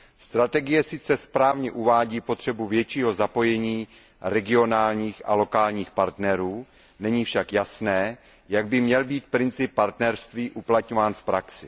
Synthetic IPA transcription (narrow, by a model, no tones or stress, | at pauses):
st̪ɾat̪ɛɡɪjɛsɪt͡sɛspɾaːvɲɛʔuvaːɟiːpo̞t̪r̝̥ɛbuvjɛt͡ʃiːɦo̞zapo̞jɛɲiː | ɾɛɡɪo̞naːlɲiːxʔa̰lo̞kaːlɲiːxpaɾt̪nɛɾuː | nɛɲiːfʃakjasnɛː | jaɡ̚bɪmɲɛlbiːt̪̚pɾɪnt͡sɪpːaɾt̪nɛɾst̪viːʔuplat̪ɲovaːnfpɾaksɪ